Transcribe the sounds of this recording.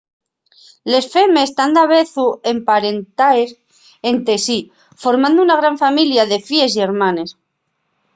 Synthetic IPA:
le̞sfe̞mest̪and̪aβe̞θue̞mpaɾent̪aes | ent̪esi | fo̞ɾmãnd̪ounaɣ̞ɾaɱfamiljaðe̞fie̞s̬ieɾmãne̞s

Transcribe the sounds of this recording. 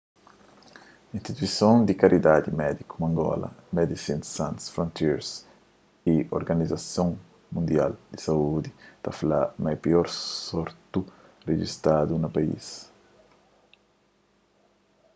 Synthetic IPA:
ĩnst̪it̪uisjond̪ikaɾid̪ad̪imɛd̪ikumaŋɡɔ̰la̰mɛd̪isinsansfɾõnt̪iɾs | ioɾɡanizasjɔŋ | mund̪jald̪isaud̪it̪afalamajpiɔɾsɔɾt̪ured͡ʒḭst̪ad̪unapaḭs

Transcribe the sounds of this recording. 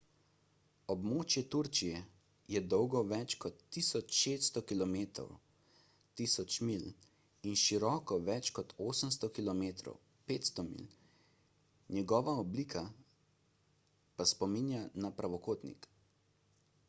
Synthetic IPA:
ɔbmoːt͡ʃjɛt̪uɾt͡ʃijɛ | jɛd̪ɔwɡɔʋɛt͡ʃkɔt̪ːiːsɔt͡ʃʃeːsst̪ɔkilɔmeːt̪ɾɔ̰w | t̪iːsɔt͡ʃmil | inʃiɾɔːkɔʋɛt͡ʃkɔt̪oːsəms̬t̪ɔkilɔmeːt̪ɾɔ̰w | peːt̪st̪ɔmḭl | njɛɡɔːʋaɔbliːkʰa | paspɔminjanapɾʔaʋɔkoːt̪nḭk

